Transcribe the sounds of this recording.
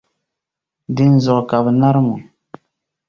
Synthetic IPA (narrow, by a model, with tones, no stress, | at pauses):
dɪ˦n˦zɔ˨ʔka˨bna˦ɾmʊ˨